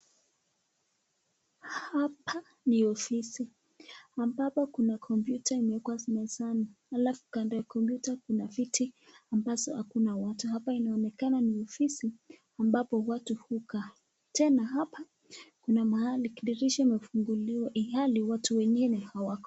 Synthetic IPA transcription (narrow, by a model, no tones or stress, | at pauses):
hapʰa | niɔfisi | ambapɔkunakʰɔmpjutʰaimɛɛkwasnasanahalafu̥kandɔjakɔmpjutakunavitʰiambazɔhakunawatuhapainaɔnɛkananiɔfisi | ambapɔwatuhuka | tɛnaɦapʰa | kunamahalikiɗiɾiʃamɛfuŋɡuliɔʔihaliwatuwɛŋɡinɛhawakɔ̥